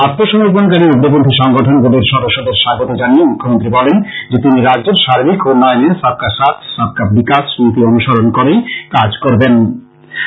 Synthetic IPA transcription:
at̪ːoʃɔmoɾponkaɾiuɡɾobond̪ʱiʃɔŋɡoʈʰonɡoɖeɾʃɔd̪oʃːod̪eɾʃaɡot̪od͡ʑaniemukʰːomont̪̬ɾibɔlend͡ʑet̪iniɾad͡ʑd͡ʑeɾʃaɾibikɦunːɔeniesab̚kasat̪ʰsab̚kablikasunt̪ionuʃaɾonkoɾejkad͡ʑkoɾben

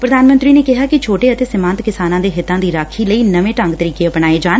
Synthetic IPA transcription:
pɾəd̪aːnmə̃nt̪ɾiːneːkɪɦaːkɪt͡ʃʰoːʈeːət̪eːsɪmãːnt̪kɪsaːnãːd̪eːɦɪt̪ːãːd̪iːɾaːkʰiːləiːnəʋẽːʈə̃ŋɡt̪əɾiːkeːəpnaːeːd͡ʒaːn

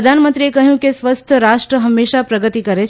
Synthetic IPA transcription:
d̪ʱanmə̃nt̪ɾiekəɦjũkesʋəst̪ʰəɾaʃʈɾəɦəmːeʃapɾəɡət̪ikəɾet͡ʃ

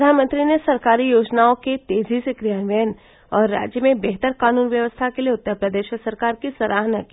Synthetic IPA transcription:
d̪ʱaːnmə̃nt̪ɾinesɐɾkaːɾijoːd͡ʒnaõket̪eːzʱisekɾijaːnʋejən | ɔːɾːa̰ːd͡ʒjəmẽbɛɦt̪əɾkaːnuːnʋjəʋəst̪ʰakelieʊt̪ːəɾpɾəd̪eːʃsɐɾkaːɾkisɐɾʔaːɦnaki

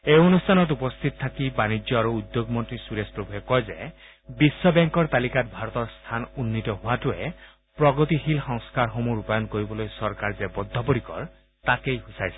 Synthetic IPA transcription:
eonustʰanɔt̬upɔst̪ʰit̪ɔt̪ʰakibanid͡ʒjɔaɹuːd̪joɡmɔntɹisuɾespɹobʱuɦɛkɔjze | bisːɔbɛŋkɔɹt̪alikatbʱaɹɔt̪ɔɹst̪ʰanunːitɔɦʊwatuɛ | pɹɔɡɔt̪ixilxɔŋskaɹxomuɹupajɔnkoɹibɔlojsɔɹkaɹzebɔd̪ʱːɔpoɾikɔ̰ɹ | takejɦusajsɛ

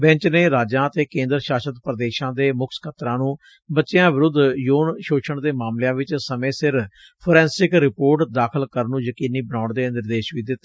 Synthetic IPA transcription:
bɛ̃ɲt͡ʃneːɾaːd͡ʒãːt̪eːkẽːnd̪əɾʃaːʃət̪pɾəd̪eːʃãːd̪eːmʊkʰskʰət̪ɾãːnũː | bətːt͡ʃɪjãːʋɪɾʊd̪joːnʃoːʃʰəɳd̪eːmaːmljãːʋɪt͡ʃsəmẽːsɪɾ | pʰoɾɛ̃ːnsɪkɾɪpoːɾʈd̪aːkʰəlkəɾnũːjəkiːniːbənaːɳd̪eːnɪɾd̪eːʃʋiːd̪ɪt̪ːe

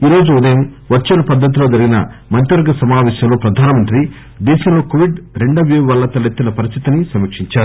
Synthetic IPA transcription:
iːɾo̞ːd͡ʒuːd̪ɐjɐmʋɐt͡ʃːɐnɐpɐd̪ʱːɐt̪̬ilo̞ːd͡ʒɐɾiɡinɐ̰mɐnt̪jɐɾɐɡɐsɐmaːʋɛːʃjɐmlo̞ːpɾɐd̪ʱaːnɐmɐnt̪ɾi | d̪ɛːʃɐmlo̞ːkoʋiɖɾeɳɖɐʋjuʋɐlːɐt̪ɐlit̪ːinɐpɐɾist̪i̥t̪inisɐmikʂiɲt͡ʃaːɾu

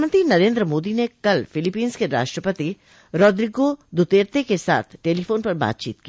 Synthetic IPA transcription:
mə̃nt̪ɾinɐɾẽːnd̪ɾəmoːd̪inekɐlfɪlɪpiːnz̥keɾa̰ːʃʈɾəpət̪i | ɾɔːd̪ɾiːɡod̪ʊt̪eːɾt̪ekesa̰ːt̪ʰʈeːlifoːnpɐɾba̰ːt̪̚t͡ʃḭːt̪̚ki

